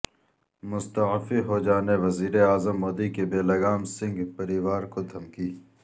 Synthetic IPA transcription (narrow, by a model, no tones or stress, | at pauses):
mʊst̪ɐfiɦod͡ʒaːneʋɐziːɾeaːzəmːoːd̪ikebeːlɐɡaːmsɪ̃ŋɡpɐɾiʋaːɾkod̪ʱɐmkiː